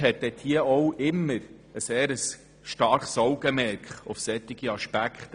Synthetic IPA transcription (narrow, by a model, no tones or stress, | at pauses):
ɦɛt̪̚ːɛt̪hiəɔwʔɪmːəɾ | əseːɾəs | ʃtɑɾχsɔwɡəmɛɾkχɔfsɛt̪ːɪɡ̥iɑʃpækχt̪